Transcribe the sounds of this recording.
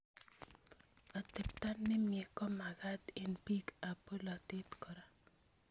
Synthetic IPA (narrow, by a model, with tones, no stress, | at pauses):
ɔ˨t̪ɪ˨p̚t̪a˦nːɪ˦mjɛ˨kɔ˦ma˨ɡa˦t̪ɪ˦npi˦ka˨po˦lɔ˨t̪ɪ˦t̪kɔ˨ɾa˦